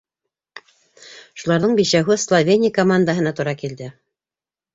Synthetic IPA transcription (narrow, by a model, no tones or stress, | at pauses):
ʃulˠɑɾðɤɴbiʃæwɦɘslˠovʲenʲɪjkomand̪əɦɤ̆nɑt̪uɾɑkild̪ɘ